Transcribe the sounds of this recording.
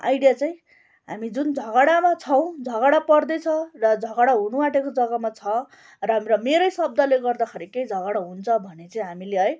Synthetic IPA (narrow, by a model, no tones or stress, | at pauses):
a̰jɽijat͡saĩ | ɦa̰mid͡zund͡zʱʌɡaɽamat͡sʰʌw̃d͡zʱʌɣaɽapʌrd̪ʌjt͡sʰʌrʌd͡zʱʌɡaɽaɦunuwaʈekod͡zʌɡamat͡sʰʌ | rʌɦamɾʌmeɾʌjsʌb̚d̪aleɡʌrd̪akʰʌɾikejd͡zʱʌɣaɽaɦunt͡sʰʌbʱʌnet͡saĩɦamileʌj